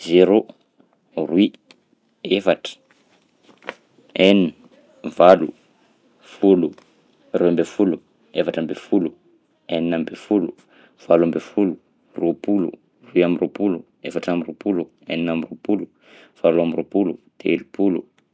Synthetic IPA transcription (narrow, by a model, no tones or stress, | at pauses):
zeɾo | rwi | efaʈ͡ʂə̥ | enini | valṵ | fulu | ruambefulu | efaʈ͡ʂambefulu | eninambefulu | v̥alambefulu | ropulṵ | ruiamirʔopulu | efaʈ͡ʂamiropulu | eninamiropulu | v̥aluamiropulud̪̥eelipulṵ